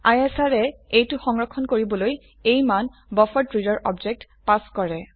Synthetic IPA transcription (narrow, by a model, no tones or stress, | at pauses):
ajesaɹɛejtʊxɔŋɹɔkʰːɔnkoɹibɔloj | ejmanbɔfɔtɹidɔɹʔɔbd͡ʒɛk̚t | paskɔɹɛ